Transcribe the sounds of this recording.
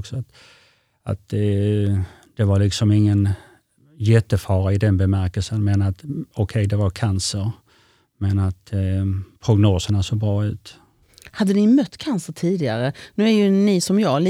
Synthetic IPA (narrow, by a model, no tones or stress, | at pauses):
ksɔat̪ | a̰t̪ | d̪̥ɛvaɾlɪksɔmɪŋːən | jɛt̪ːəfɑːɾaɪd̪ɛnbɛmæɾkəlsənmɛnat̪ɔkʰɛjd̪ɛvaɾkʰansəɾ | mɛnat̪ | pʰɾʊɡnoːsəɳasoːɡbɾɑːʉ̟ːt̪ | had̪ːənɪmœt̪ːkʰansəʈʰiːd̪ɪɡa̰ɾənʉ̟ːæɾjɵnɪsɔmjɑːl